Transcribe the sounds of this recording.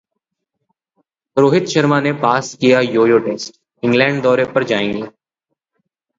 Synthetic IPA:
ɾoːɦɪt̪ʃəɾmanepaːskijajoːjoːʈeːsʈ | ɪ̃ŋɡlɛ̃ːɳɖ̚d̪ɔːɾepɐɾd͡ʒaːẽːŋɡeː

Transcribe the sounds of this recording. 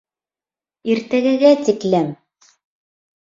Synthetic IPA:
iɾt̪æɡɘ̆ɡæt̪iklæm

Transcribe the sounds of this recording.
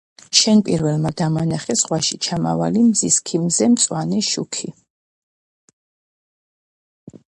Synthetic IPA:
ʃɛnpʼiɾvɛlˠmad̪amanaχɛsʁwaʃit͡ʃʰama̰va̰limziskʰimzɛmt̪sʼwanɛʃukʰi

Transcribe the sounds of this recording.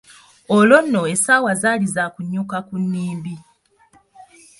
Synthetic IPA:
olo̞nːo̞esaːwazaːlizaːkuɲːukakunːiːmbi

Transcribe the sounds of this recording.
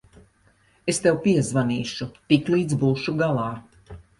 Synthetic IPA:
est̪ewpiɛzvaniːʃut̪iklˠiːd̪zbuːʃuɡalˠɑː

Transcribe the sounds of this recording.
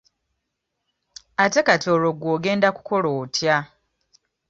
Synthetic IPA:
ate̞kato̞ːlo̞ɡwoːɡe̞ːndaku̥ko̞loːtʰja

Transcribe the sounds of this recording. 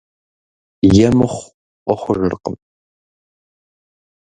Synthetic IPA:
jɛmɨχʷ | ɔχʷʊʒɨ̰rqə̰m

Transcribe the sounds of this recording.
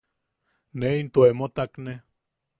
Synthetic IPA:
neint̪oemot̪akne

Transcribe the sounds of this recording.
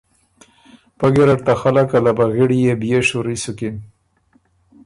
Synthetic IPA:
paɡeɾaʈ̚t̪axalakalabaɣiɽijebijeʂuɾisuki

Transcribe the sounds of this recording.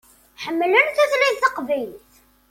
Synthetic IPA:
ħəmːlənθæθlæθɑqvæjθ

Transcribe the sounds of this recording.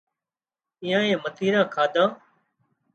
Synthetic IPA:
ĩːãːẽːmət̪iːɾãːkʰaːd̪ʱãː

